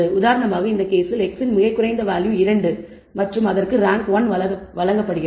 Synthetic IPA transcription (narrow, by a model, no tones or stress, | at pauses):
ɯʊðaːɾɐɳɐmaːɣɐɪnd̪ɐkeːsɪlɛksɪnmɪɣɐɪkːʊrɐɪnd̪ɐʋaːljɯ̃ɪɾɐɳɖɯ | mɐʈrɯmɐðɐrkɯɾaːŋkʋɐnʋɐɐɐʋɐlɐŋɡɐpːɐɽɯɣɪ